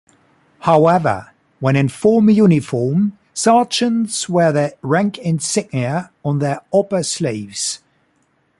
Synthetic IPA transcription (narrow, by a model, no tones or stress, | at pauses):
haʊɛvə̰ | wə̃ñɪ̃nfɔːmjʉːnɪfɔːm | sɑˑt͡ʃə̃nz̥wəðəɹãŋkɪ̃nsɪɡ̚niəə̃nðəɹɔpəsliːvz̥